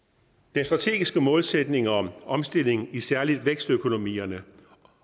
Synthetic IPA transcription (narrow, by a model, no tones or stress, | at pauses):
d̥ensd̥ʁɑ̈t͡sʰe̝̰ːɡ̥isɡ̥əmɔ̽ːlsed̥ne̝ŋɒ̽mɒ̽msd̥e̝l̰e̝ŋ̩isæɐlid̥ʋeɡ̥sd̥økʰo̝no̝mḭːɐnə